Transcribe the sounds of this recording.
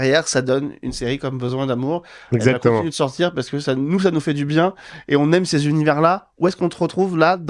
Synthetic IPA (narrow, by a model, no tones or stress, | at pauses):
ʁjɛʁsad̪ɔny̰nseʁikɔmbəzwɛ̃d̪amuʁɛzakakɔ̃mĩnyd̪əsɔʁt̪ʰiʁpaʁsə̥kəsanus̬anufɛd̪ybjɛ̃eɔ̃nɛmsezynivɛʁla | uɛskɔ̃t̪əʁət̪χuvlad̪